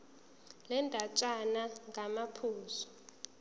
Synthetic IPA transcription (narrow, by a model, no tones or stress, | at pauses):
lɛndʼʱat͡ʃʼanaŋɡʱamapʰuːzɔ̥